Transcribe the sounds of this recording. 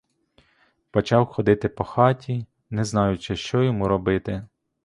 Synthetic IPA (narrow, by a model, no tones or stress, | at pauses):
pɔt͡ʃɑwxɔd̪ɪt̪ɪpɔxɑtʲi | nɛznɑjʊt͡ʃɪʃt͡ʃɔjɔmuɾɔbɪt̪ɪ